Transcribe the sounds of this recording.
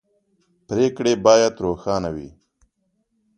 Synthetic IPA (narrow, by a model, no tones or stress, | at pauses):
pɾeːkɽebɑːjat̪ɾoːxɑːnawḭ